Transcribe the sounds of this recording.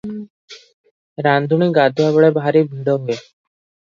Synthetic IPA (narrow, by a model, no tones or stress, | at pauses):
ɾand̪ʱuɳ̃iːɡad̪ʱuabɭebʱaɾibʱiɽɔɦue